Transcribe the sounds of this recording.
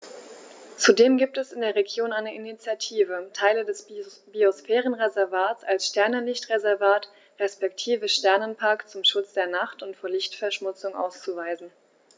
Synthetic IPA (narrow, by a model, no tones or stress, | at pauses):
t͡sudeːmɡiːp̚tɛsɪndeːɐʁeɡjoːnaɪnəʔinit͡sjatʰiːvətʰaɪlədɛsb̥iosfɛːʁənʁezɛɐvaːtt͡salsʃtɛɐnəlɪçtʁezɛɐvaːt | ʁɛspɛktʰiːvəʃtɛɐnənpʰaɐkt͡sʊmʃʊt͡sd̥eːɐnaχtʊntfoːɐlɪçtfɛɐʃmʊt͡sʊŋʔa̰ʊst͡suvaɪzn̩